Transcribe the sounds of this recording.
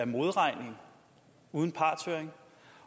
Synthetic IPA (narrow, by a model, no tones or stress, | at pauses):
ɐmo̝ð̞ˠʁɑ̈ɪ̰ne̝ŋ | uð̞ˠn̩pʰɑ̈ːt͡sʰøɐeŋ